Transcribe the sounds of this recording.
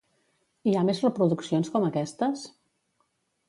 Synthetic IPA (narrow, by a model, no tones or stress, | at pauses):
iamezrəpɾuðuksionskɔməkɛst̪əs